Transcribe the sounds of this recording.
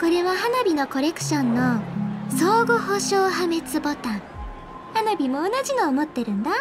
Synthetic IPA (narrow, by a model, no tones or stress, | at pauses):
ko̞ɾe̞βahanabʲino̞ko̞ɾe̞kɯ̟̥ɕõnːo̞soːɡɯhoɕoːhame̞t͡sɨbo̞t̪ãŋ | hanabʲimo̞ːnaʑinoːmo̞t̪ːe̞ɾɯ̟̃nd̪a